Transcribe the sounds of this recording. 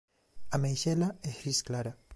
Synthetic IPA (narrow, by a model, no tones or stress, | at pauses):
amejʃɛlaehɾisklaɾa